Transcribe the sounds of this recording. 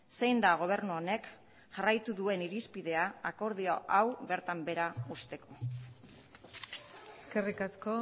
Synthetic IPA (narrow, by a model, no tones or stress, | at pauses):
se̞jnd̪aɣ̞o̞β̞e̞ɾnuone̞k | ʝarajt̪uðue̞niɾispiðe̞aako̞ɾð̞ioʔawβe̞ɾt̪ambe̞ɾaust̪e̞ko̞ | skerikasko